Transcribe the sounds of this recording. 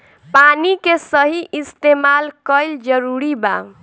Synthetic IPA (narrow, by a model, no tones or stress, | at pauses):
panikesəɦiʔist̪emalkəɪld͡ʒəɾuɾiba̰